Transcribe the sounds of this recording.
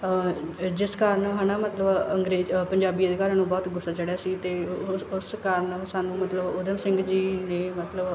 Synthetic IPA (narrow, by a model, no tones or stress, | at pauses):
d͡ʒɪskaːɾəɳɦaːnaːmət̪ləbəŋɡɾeːpəɲd͡ʒaːbiːəd̪ɪkaːɾãːnũːbɔːt̪ɡʊsːaːt͡ʃəɽejaːsiːt̪eːʊskaːɾəɳsaːnũːmət̪ləbʊd̪əmsɪ̃ŋɡd͡ʒiːnẽːmət̪ləb